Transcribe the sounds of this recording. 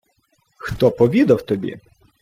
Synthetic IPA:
xt̪ɔpɔʋʲid̪ɐwt̪ɔbʲḭ

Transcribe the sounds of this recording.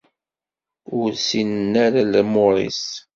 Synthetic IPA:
ʊɾsinnæɾaləmoɾˤḭs

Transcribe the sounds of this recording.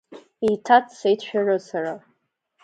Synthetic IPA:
itʰatʰʼsejtʃʷᶣarɨsara

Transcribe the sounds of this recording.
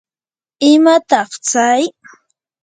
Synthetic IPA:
ɪmat̪ɑχt͡saj

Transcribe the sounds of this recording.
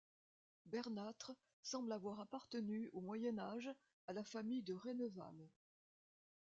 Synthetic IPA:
bɛʁnat̪χə | sɑ̃blavwaʁapaʁt̪ənyomwajɛnaʒ | alafamijd̪əʁenɔva̰m

